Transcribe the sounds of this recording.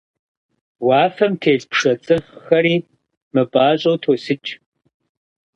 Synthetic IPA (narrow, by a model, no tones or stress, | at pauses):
waːfɐmtʰeːɮpʰʂɐt͡sʼɨfxɐɾiː | mɨbʼaːɕʼowtʰoːsɨt͡ʃʼ